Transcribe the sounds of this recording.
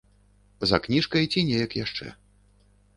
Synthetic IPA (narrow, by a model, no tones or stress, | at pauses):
zɐ̰knʲiʂkɐjt͡sʲinʲɛjɐkjaʂt͡ʂɛ̰